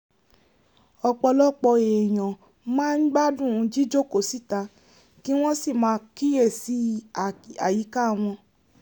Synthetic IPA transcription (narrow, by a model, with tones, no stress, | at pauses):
ɔ˧k͡pɔ˧lɔ˦k͡pɔ˧e˨j̃ɔ̃˨ | mãː˦n̩˦ɡ͡ba˦dũ˦˨˧d͡ʒi˦d͡ʒo˦˨ko˦˨si˦˨ta˧ | ki˦w̃ɔ̃˦si˦˨mãː˨˧˦ki˦je˦˨si˨˦˨ | a˨ji˨˦ka˦˨w̃ɔ̃˧